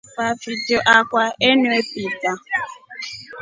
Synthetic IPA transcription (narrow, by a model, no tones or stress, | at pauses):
pafitoʔakʷaenepita